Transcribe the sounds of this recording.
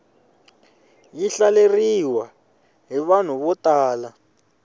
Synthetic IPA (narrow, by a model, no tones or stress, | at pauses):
jiɬaleriwa | ɦiβan̤uβɔtaːla